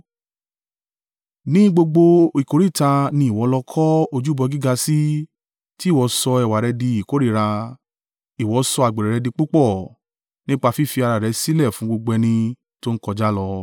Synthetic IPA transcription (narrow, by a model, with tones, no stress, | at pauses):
nĩ˦ɡ͡bo˧ɡ͡bo˧i˨ko˨ɾi˦˨ta˧nĩ˧˦i˨wɔ˨˧˦lɔ˧kʰɔ˦o˧d͡ʒu˦bɔ˧ɡi˦ɡa˧si˦ | ti˦˨wɔ˨˧˦sɔ˧ɛ˨wa˨ɾɛ˧di˧i˨ko˨˦ɾi˦˨ɾa˧ | i˨wɔ˨˧˦sɔ˧a˨ɡ͡be˨ɾɛ˨ɾɛ˧dĩ˧k͡pu˦k͡pɔ˦˨ | nĩ˦k͡pa˧fi˦fi˧a˧ɾa˨ɾɛ˨˧˦si˦lɛ˦˨fũ˨˦ɡ͡bo˧ɡ͡bɛ˧nĩ˧ | to˦n̩˦kɔ˧d͡ʒa˦lɔ˧